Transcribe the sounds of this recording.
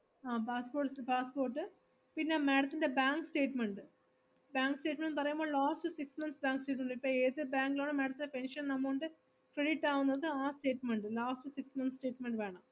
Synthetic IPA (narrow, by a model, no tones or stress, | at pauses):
aːpaːspoːʈspaːspo̞ːrʈːɨ | pinːe̞me̞ːɽɐt̪ːinde̞baːŋkɨsʈe̞ːʈmeɳɖɨ | baːŋkɨsʈe̞ːʈmeɳɖpɐrɐjumboːɭlaːsʈɨsiksmɐnsbaːŋksʈeːʈ̬ːmeɳɖipːoːeːðɨbaːŋɡiloːɳɨme̞ːɽɐt̪ːinde̞penʂɐnnɐmːoːɳɖe | kɾeɽiʈːaːʋunːɐðɨaːsʈe̞ːʈmeɳɖɨlaːsʈɨsiksmɐnssʈe̞ːʈmeɳɖʋe̞ːɳɐm